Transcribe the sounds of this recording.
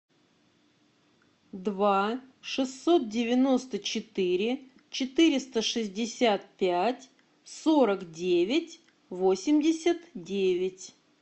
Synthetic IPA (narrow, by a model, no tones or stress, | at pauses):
d̪vaʂɨsːo̞t̪̚dʲɪvʲɪno̞st̪ət͡ɕɪt̪ɨɾʲɪ | t͡ɕɪt̪ɨɾʲɪst̪əʂɨzʲdʲɪsʲat̪̚pʲætʲ | soɾəkdʲevʲɪtʲ | vo̞sʲɪmdʲɪsʲət̪dʲevʲɪtʲ